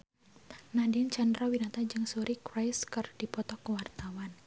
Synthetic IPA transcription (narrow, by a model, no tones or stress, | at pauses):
nadɪnt͡ʃandɾɔwinat̪ad͡ʒɨŋsuɾikrajskərd̥ipɔt̪ɔkəwart̪awan